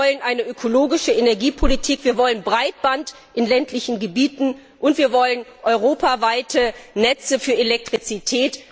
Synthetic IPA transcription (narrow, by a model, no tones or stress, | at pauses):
ɔlənʔaɪnəʔøkʰoloːɡɪʃəenɛɐɡiːpʰolitʰiːkv̥iːɐvɔlənbʁaɪt̚b̥ant | ʔɪnlɛntlɪçn̩ɡəbiːtn̩ | ʔʊntv̥iːɐvɔlənʔɔʏʁoːpavaɪtʰənɛt͡səfyːɐelɛk̚tʁ̥it͡sitʰɛːt